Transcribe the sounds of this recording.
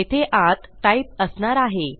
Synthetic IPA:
et̪ʰeʔat̪ʈaip̚əsnaɾaɦe

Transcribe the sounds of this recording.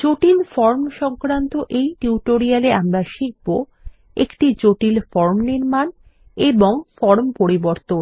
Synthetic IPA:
d͡ʑoʈilfɔɾmʃɔŋkɾant̪oʔejʈiuʈoɾialeamɾaʃik̚bo | ekʈid͡ʑoʈilfɔɾmniɾman | eboŋfɔɾmpoɾiboɾt̪on

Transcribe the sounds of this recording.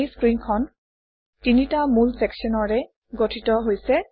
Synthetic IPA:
skɹinkʰɔn | tinitamulsɛksiɔnɔɹɛ | ɡotʰitɔɦojsɛ

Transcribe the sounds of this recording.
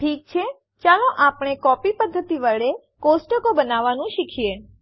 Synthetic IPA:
ʈʰiːk̚t͡ʃʰe | t͡ʃalõʔapɳ̃ekɔpipəd̪ʱːət̪iʋaɭe | kosʈəkobənaʋanũʃikʰije

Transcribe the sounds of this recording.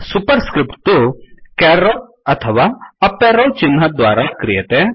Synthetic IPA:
supəɾskɾɪpʈt̪ukɛːɾo | ɐt̪ʰəʋaɐpːeːɾolt͡ʃɪnːad̪ʋaːɾakɾijet̪e

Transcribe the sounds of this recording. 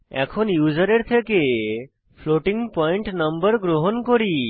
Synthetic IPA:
ɛ̰kʰɔnjud͡ʒəɾeɾt̪ʰeke | pʰloʈiŋɡpɔiɳʈnəmbəɾɡɾoɦɔnkɔɾi

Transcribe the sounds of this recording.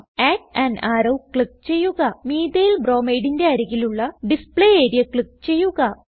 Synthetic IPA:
eːʈɐnaːɾɐwkɭik̚t͡ɕe̞jːuɣɐmiːd̪ejilbroːmejɽinde̞ɐɾɐɣiluɭːɐɖispɭeeːɾijɐkɭikt͡ɕe̞jːuɣɐ

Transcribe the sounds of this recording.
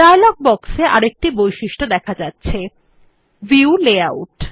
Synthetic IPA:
dajlɔɡ̚bɔkseʔa̰ɾek̚ʈibojʃiʃʈod̪ɛkʰad͡ʑatːɕʰe | viuleawʈ

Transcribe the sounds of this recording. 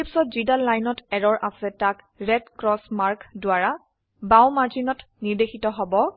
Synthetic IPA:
ipsɔt̚zidalːajnɔtɛɹɔɹʔasɛtak | ɹɛdkɹɔsmaɹkdʊaɹa | bawmaɹzinɔtniɹdexitɔɦɔbɔ

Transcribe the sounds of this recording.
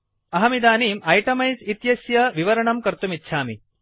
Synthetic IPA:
ɐɦɐmid̪aːniːmɐjʈɐmɐjsit̪jɐsjɐʋiʋɐɾɐɳɐmkɐɾt̪umit̪ːʃʰaːmi

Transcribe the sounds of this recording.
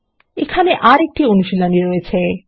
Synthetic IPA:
ekʰaneʔaɾek̚ʈionuʃilaniɾojet͡ɕʰe

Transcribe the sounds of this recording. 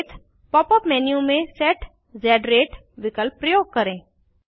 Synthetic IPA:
t̪ʰ | pɔːpəpmɛːnjũmẽsɛːʈ | d͡ʒɛːɖɾeːʈ | ʋɪkəlpɾəjoːɡ̚kɐɾẽː

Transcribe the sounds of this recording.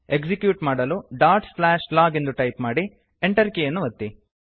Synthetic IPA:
eɡsikjuːʈmaːɽɐluɖaːɾʈslaːʃlaːɡe̞nd̪uʈɐjpmaːɽi | eɳʈɐɾikejɐnːuʋɐt̪ːi

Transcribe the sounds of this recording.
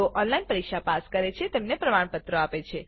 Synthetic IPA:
oʔɔnlainpəɾikʃapaskəɾet͡ʃʰet̪emnepɾəmaɳ̃pət̪ɾəapet͡ʃʰe

